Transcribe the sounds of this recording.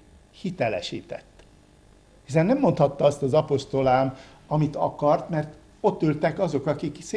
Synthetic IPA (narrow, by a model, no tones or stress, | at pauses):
hit̪ɛlɛ̰ʃḭːt̪ɛ̰t̪ː | hisɛnːɛmːo̞nt̪hɒt̪ːɒɒst̪ɒzɒpo̞ʃt̪o̞laːm | ɒmit̪ɒkɒrt̪mɛrt̪ | o̞t̪ːylt̪ɛkɒzo̞kɒkiks